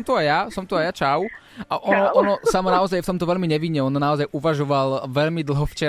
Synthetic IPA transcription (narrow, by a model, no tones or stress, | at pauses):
mt̪uajasɔmt̪uajat͡ʃaʊ | ʔaʔɔnɔʔɔnɔsamɔnaɔzajft̪ɔmt̪ɔʋɛʎmiɲɛʋiɲːɛɔnɔnaɔzajʔuʋaʒɔʋalʋɛʎmid̪l̩ˠɦɔft͡ʃɛ